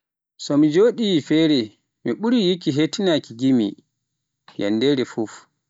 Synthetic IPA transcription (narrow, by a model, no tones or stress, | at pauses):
sɔmid͡ʒoːɗifɛːɾɛ | miɓuɾijikiɦetinakiɡimi | ja̰nːdɛɾɛfuf